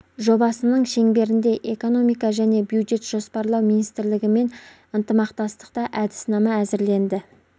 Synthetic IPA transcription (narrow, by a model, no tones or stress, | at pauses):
ʒo̞bɑsənəɴʃe̞ŋbe̞ɾɪnd̪e̞ʔeko̞no̞mijkɑʒæne̞bjud̪ʒe̞t̪ʒ̥o̞spɑɾlˠɑwminijst̪ɪɾlɪɡʲɪme̞n | ənt̪əmɑqt̪ɑst̪ə̥qt̪ɑʔæd̪ɪ̥snɑmɑæzɪɾle̞nd̪ɪ